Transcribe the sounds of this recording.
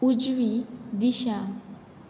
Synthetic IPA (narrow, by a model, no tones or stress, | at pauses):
ud͡ʒwid̪iʃa